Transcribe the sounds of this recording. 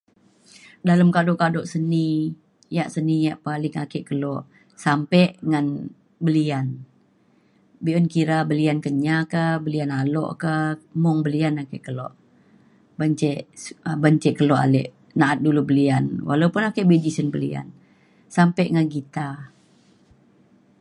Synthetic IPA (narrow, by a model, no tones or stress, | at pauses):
daləmkadɔʔkadɔʔsəni | jaʔsənijaʔpalɪŋakɛʔkəlɔʔ | sampɛʔŋan | bəlian | biʔɔnkiɾabəliankəɲakahbəlianalɔ̰ʔkəmɔŋbəlianakɛʔkəlɔ̰ʔ | bəɲt͡ʃɛʔəbəɲt͡ʃɛʔkəlɔʔa̰lɛ̰ʔ | naat̪̚dulubəlianwʔa̰laupʊnakɛʔbed͡ʒisənbəlḭa̰n | sampɛʔŋanɡit̪a